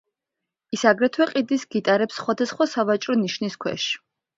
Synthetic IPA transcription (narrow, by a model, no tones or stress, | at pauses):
isaɡɾɛt̪ʰwɛqʼid̪isɡit̪ʼaɾɛpsːχwad̪asχwasavat͡ʃʼɾɔniʃniskʰwɛ̰ʃ